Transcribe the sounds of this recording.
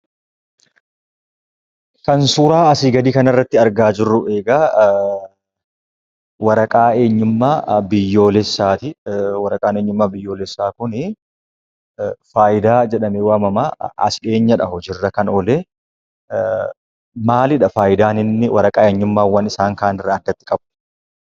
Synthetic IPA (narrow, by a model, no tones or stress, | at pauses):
kɐnsuɾaːɐsɪɡɐd̪iːkɐnɐrːɐt̪ːɪɐɾɡaːd͡ʒɪrːʊʔe̞ːɡaː | wɐɾɐkʼaːe̞ːɲːʊmːaːbɪjːo̞ːlɛsːaːt̪ɪwɐɾɐkʼaːneːɲːʊmːaːbɪjːo̞ːlɛsːaːkʊnɪ | faːjɪd̪aːd͡ʒɛᶑɐmɛwaːmɐmaːɐ̰sɪᶑe̞ːɲːɐᶑɐhɔd͡ʒɪrːɐkɐnɔleː | maːlɪᶑɐfaːjɪd̪aːnɪnːɪwɐɾɐkʼaːeːɲːʊmːaːwːɐnɪsaːŋkaːnɪrːɐːd̪ːɐt̪ːɪ̥kʼɐb